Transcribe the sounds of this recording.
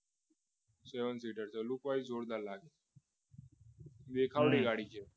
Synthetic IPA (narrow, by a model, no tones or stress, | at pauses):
seʋənsiːʈəɾt͡səlukʋaid͡zʱoɽd̪allaɡe | ʋekʰaʋɽiɡaɽ̤iːkʰe